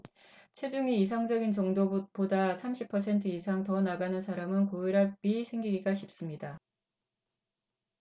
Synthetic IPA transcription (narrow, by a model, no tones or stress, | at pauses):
t͡ɕʰwe̞d͡ʑuŋiːs̬ʰaŋd͡ʑʌɡint͡ɕʌŋdopodasʰamɕʰipʰʌsʰe̞ntʰɯisʰaŋtʌnaɡanɯnsʰaɾamɯnkoiɾapisʰe̞ŋɡiɡiɡaɕʰip̚s͈ɯmɲida